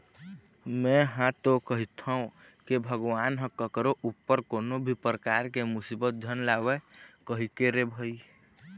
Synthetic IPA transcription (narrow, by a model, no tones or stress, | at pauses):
mɛ̃ɦãt̪okəɦit̪ʰəũ | kebʱəɡwaːnɦə̃kəkɾoʔupːəɾkoːnobʱipɾəkaɾkemʊsibət̪̚d̪ʱənlawekəɦikeɾebʱəi